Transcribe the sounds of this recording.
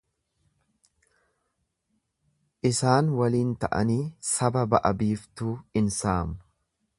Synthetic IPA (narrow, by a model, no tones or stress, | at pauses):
ʔɪsaːnwɐliːnt̪ɐʔɐ̰niːsɐbɐbɐʔɐbiːft̪uːɪnsaːm